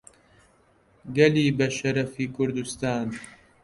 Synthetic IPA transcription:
ɡɐliːbɐʃɐɾɐfiːkʰʊɾd̪ust̪aːn

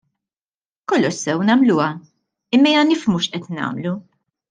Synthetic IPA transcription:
kɔlːɔʃsɛwnɐmluːɐ | ɪmːɐjɐnɪfmuʃʔɛt̪nɐ̰ːmlu

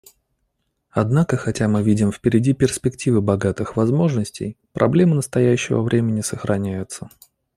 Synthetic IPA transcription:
ɐd̪nakəxɐtʲamɨvʲidʲɪmfpʲɪɾʲɪdʲipʲɪrspʲɪktʲivɨbɐɡat̪ɨxvɐzmo̞ʐnəsʲtʲɪ̰jpɾʔɐ̰blʲe̞mɨnəst̪ɐjæɕːɪvə̰vɾʲʔemʲɪnʲɪsəxɾʔɐnʲæjʊt̪sə

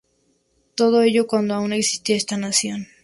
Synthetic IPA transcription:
t̪o̞ð̞oeʝokwand̪oaune̞ksi̥st̪iae̞st̪anasjo̞n

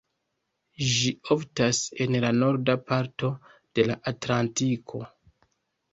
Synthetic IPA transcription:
ʒioftase̞nlano̞ɾdapaɾto̞ | d̥e̞laʔatlantikʰo̞

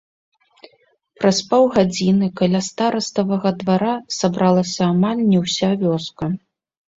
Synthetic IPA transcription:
pɾaspɔwɣad͡zʲinɨkalʲast̪aɾɐst̪ɐvɐɣɐd̪vaɾasabɾalˠɐsʲɐːmalʲnʲɛwsʲavʲɔskɐ

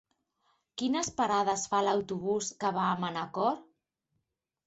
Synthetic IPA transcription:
kinəspaɾaðəsfaləwt̪uβ̞uskəβaːmənakɔɾ

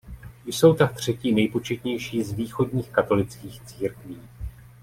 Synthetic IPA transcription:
jso̞wt̪ak̚t̪r̝̥ɛciːnɛjpo̞t͡ʃɛt̪ɲɛjʃiːzviːxo̞dɲiːxkat̪o̞lɪt͡skiːxt͡siːɾkviː

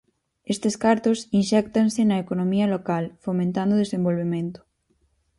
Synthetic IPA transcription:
est̪eskaɾt̪osinʃɛk̚t̪ansenɐekonõmiɐlokalfomẽnt̪and̪oðesẽmbolβemẽnt̪ʊ̥

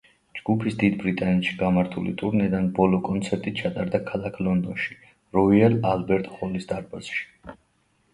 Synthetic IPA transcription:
d͡ʒɡupʰisd̪id̪bɾit̪ʼanɛt̪ʃi̥ɡamaɾt̪ʰulḭt̪ʼuɾnɛd̪anbɔlɔkʼɔnt̪sʰɛɾt̪ʼit͡ʃʰat̪ʼaɾd̪akʰalakʰlɔnd̪ɔnʃi̥ | ɾɔiɛlalbɛɾt̪ʼχɔlisd̪aɾbaz̥ʃi̥

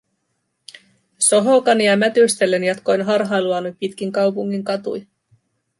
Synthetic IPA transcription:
so̞ɦo̞kɑniɑmæt̪yst̪e̞lːe̞njɑt̪ko̞jnɦɑrɦɑjluɑnupit̪kiŋkɑwpuŋːiŋkɑt̪ṵj

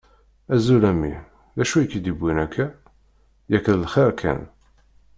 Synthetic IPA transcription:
æzulæmḭ | ðæʃujəkːid̪ibʷwinækʰːæ | jækːəðlχiɾkʰæ̰n

